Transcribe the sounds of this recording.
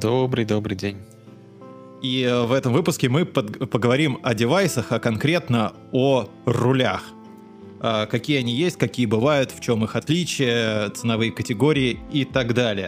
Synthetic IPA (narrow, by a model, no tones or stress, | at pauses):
d̪obɾɨjd̪obɾɨjdʲenʲ | ivɛt̪əmvɨpʊskʲɪmɨpəpəɡəvɐɾʲimɐdʲɪvajsəxɐkɐnkɾʲe̞t̪nə | orʊlʲax | akɐkʲijəɐnʲijesʲtʲkɐkʲijəbɨvajʊt̪ft͡ɕo̞mɨxɐt̪lʲit͡ɕɪjət̪sɨnɐvɨjəkətʲɪɡo̞ɾʲɪɪit̪aɡd̪alʲɪjə